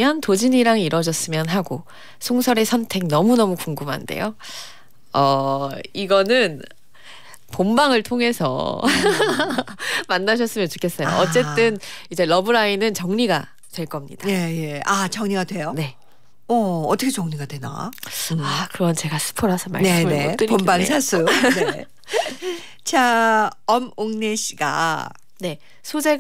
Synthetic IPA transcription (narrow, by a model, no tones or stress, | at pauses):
jʌntod͡ʑiɲiɾaŋiɾʌd͡ʑʌs͈ɯmjʌnɦaɡo | sʰoŋsʰʌɾe̞sʰʌntʰe̞ŋnʌmunʌmukuŋɡumɦa̰nde̞̰jo | ʌiɡʌnɯn | pombaŋɯɭtʰoŋɦe̞sʰʌ̰ | manːaɕ̬ʰʌs͈ɯmjʌnt͡ɕo̥kʰe̞s͈ʌjo̰ʔʌt͡ɕ͈e̞t͈ɯnid͡ʑe̞ɾʌbɯɾainɯnt͡ɕʌŋɲiɡa | twe̞ɭk͈ʌmɲḭd̥aejeat͡ɕʌŋɲiɡadwe̞jone̞ | ʌːt͈ʰʌkʰet͡ɕʌŋɲiɡadwe̞na̰akɯɾʌnt͡ɕe̞ɡasʰɯ̥pʰoɾɦasʰʌma̰ɭneɯmet͈ɯpombaŋsʰasʰune | t͡ɕaʌmoŋne̞ɕʰiɡa̰ | ne̞ | sʰod͡ʑe̞